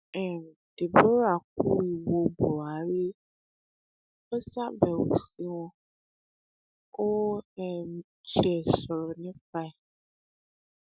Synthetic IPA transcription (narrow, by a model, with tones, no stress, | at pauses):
ɛ˨dɪ˨bo˦ɾa˨k̚u˦i˨wo˨bɔ˨a˨ɾi˦ | ɛ˦sa˦bɛ˨wo̰˨si˦wɔ̃˦ | o˦ɛ˨m˦ | t͡ɕi˦ɛ˨sɔ˨ɾɔ˨nɪ̃˦fa˦ɛ˨